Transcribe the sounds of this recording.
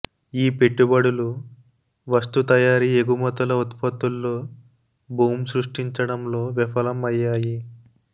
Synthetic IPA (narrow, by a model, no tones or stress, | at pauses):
iːpe̞ʈːubɐɽulu | ʋɐst̪ut̪ɐjaːɾieɡumɐt̪ulɐut̪pɐt̪ulːoː | bʱuːmsɾuʂʈiɲt͡ʃɐɽɐmlo̞ːʋipʰɐlɐmɐjːaːji